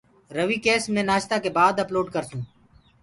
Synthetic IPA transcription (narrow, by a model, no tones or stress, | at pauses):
ɾəʋiːkeːsmẽːnaːʃt̪aːkeːbaːd̪əploːɖkəɾsũː